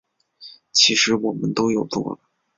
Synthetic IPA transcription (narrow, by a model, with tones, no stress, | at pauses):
t͡ɕʰi˧˥ʂɻ̩˧˥wɔ˨˩mə˦nt̪o˥ʊjo˨˩ʊt̪wɔ̰˥˩